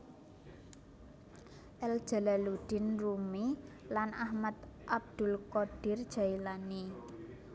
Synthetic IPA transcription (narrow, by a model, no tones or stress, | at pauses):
ʔɛld̥ʒ̥a̤lalud̪̥ɪ̤nrumi | lanʔahmat̪ʔab̚d̪̥ʊ̤lkɔɖ̥ɪ̤rd̥ʒ̥a̤ilani